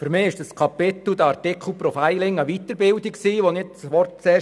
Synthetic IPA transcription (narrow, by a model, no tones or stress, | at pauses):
fyɾmɪːɪʃd̥əskʰɑpɪt̪l̩d̥̪əɑɾtɪkʰl̩ˠpɾɔfaɪlɪŋəʋit̪əɾbɪldiksiːʋonɪt͡sʋɔrt̚t͡seː